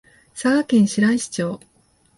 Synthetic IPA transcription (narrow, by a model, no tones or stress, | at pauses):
saɡakẽ̞ɰ̃ɕiɾaiɕi̥t͡ɕo̞ː